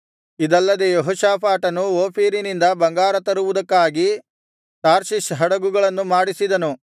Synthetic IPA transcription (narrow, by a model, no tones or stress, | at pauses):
id̪ɐlːɐd̪ejoɦuʃaːpaːʈɐnuoːpiːɾinind̪ɐbɐŋɡaːɾɐt̪ɐɾuʋud̪ɐkːaːɡi | t̪aːɾʃiʃɦɐɽɐɡuɡɐɭɐnːumaːɽisid̪ɐnu